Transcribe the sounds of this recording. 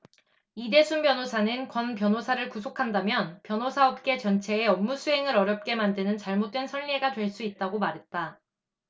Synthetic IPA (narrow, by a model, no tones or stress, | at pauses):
ide̞sʰunbjʌnosʰanɯnkwʌnpjʌnosʰaɾɯɭkusʰokʰandamjʌnpjʌnosʰaʌp̚k͈e̞t͡ɕʌnt͡ɕʰe̞ːʌmːusʰuɦe̞ŋɯɾʌɾjʌp̚k͈e̞mandɯnɯnt͡ɕaɭmot̚t͈we̞nsʰʌnːieɡadwe̞ɭs͈uit̚t͈aɡomaɾɦe̞t̚t͈a